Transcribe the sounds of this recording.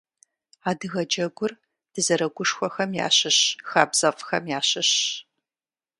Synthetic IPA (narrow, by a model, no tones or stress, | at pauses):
aːdɨɣɐd͡ʒɐɡʷʊr | d̥ɨzɐɾɐɡʷʊʂxʷɔxɐmja̰ːɕɨɕxaːbz̥ɐfxɐ̰mjaːɕɨɕ